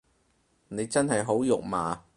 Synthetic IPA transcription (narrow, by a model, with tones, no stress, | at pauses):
ne˨˧jt͡sɐ˥nɦɐ˨jɦo˨˥wjʊ˨k̚maː˨˧